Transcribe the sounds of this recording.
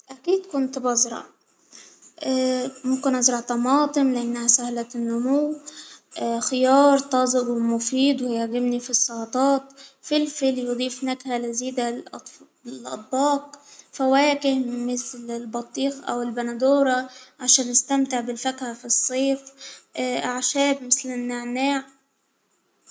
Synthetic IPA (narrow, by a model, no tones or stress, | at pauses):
ʔækiːd̪kʊnt̪bɑzɾˤɑ̰ʕ | ʔmʊmkɪnʔɑzɾˤɑʕt̪ɑmɑːt̪ˤɨmlɪʔanːhasahlæt̪nːʊmʊwʔxɪjɑːɾˤt̪ˤɑzˤɪbwɪmʊfiːd̪ˤwɪjaʕɡɪmnifisˤːɑʕɑt̪ˤɑːt̪filfiljʊd̪ˤiːfnakhalɪziːd̪alʔt̪ˤ | lʔɑ̰t̪̚ˤbɑːqfawæːkɪhmɪθlɪlbɑt̪ˤːiːxʔa̰wɪlbanad̪oːɾˤɑʕaʃæːnʔɪst̪amt̪ɪʕbɪlfakhafisˤːeːf | ʕʃæːbmɪθlɪnːaʕnaːʕ